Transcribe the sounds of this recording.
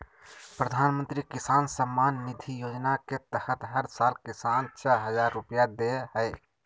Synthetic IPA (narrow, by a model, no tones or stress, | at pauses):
pɾəd̪ʱaːnmə̃nt̪ɾikisaːnsəmːaːnːid̪ʱijoːd͡ʒnaket̪əhət̪ɦəɾsaːlkisaːnt͡ʃʰəɦəd͡ʒaːɾːupjad̪eɦə